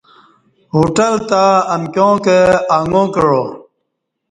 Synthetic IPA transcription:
ɦoːʈəlt̪aːɐmkjõːkeaːŋɡõːkəɻoː

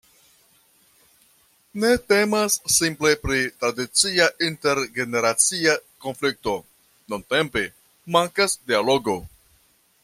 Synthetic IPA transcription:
ne̞te̞masːimple̞pɾitɾadit͡siaʔinte̞ɾɡe̞ne̞ɾat͡siako̞nflik̚to̞ | nunte̞mpe̞ | maŋkasdialo̞ɡo̞

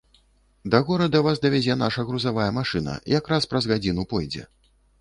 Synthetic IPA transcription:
d̪ɐɣɔɾɐd̪ɐvasd̪ɐvʲad͡zʲɛn̪aʂɐɣɾuzavajɛmaʂɨnɐ̰jakɾaspɾɐzɣad͡zʲinupɔjd͡zʲɛ̰

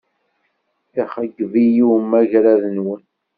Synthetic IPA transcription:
iχəɡvijimæʝɾæðənwən

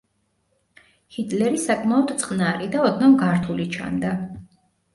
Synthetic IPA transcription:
hit̪ʰʼlɛɾisakʼmaɔd̪t̪sʼqʼnaɾid̪aɔd̪namɡaɾt̪ʰulit͡ʃʰa̰nd̪a

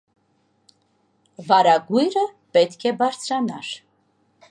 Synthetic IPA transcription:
vɑɾɑɡujɾə | pɛt̪kʰɛbɑɾt͡sʰɾɑnɑɾ

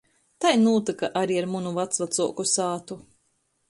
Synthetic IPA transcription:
t̪ajnuːt̪ɨkaʔaɾiaɾmunuvat̪svat̪suɔkusaːt̪u

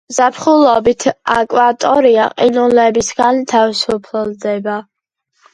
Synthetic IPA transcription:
zapʰχulɔbit̪ʰakʼwat̪ʼɔɾiaqʼinulɛbisɡant̪ʰavisupʰlɔld̪ɛba

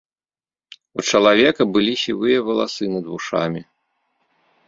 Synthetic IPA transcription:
ut͡ʂɐlˠavʲɛkɐbɨlʲiɕʲḭvɨjɐvɐlˠa̰sɨnɐd̪vuʂa̰mʲi

